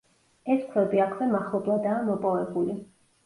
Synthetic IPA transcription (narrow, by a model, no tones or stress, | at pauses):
ɛskʰwɛbiakʰvɛmaχlˠɔblˠad̪aːmɔpʼɔvɛbuli